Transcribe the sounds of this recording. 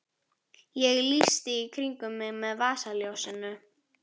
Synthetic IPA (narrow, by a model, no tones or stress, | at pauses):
jɛɣlist̪ɪikʰɾiŋkʏmːɪɣmɛðvaːsaljowsɪnʏ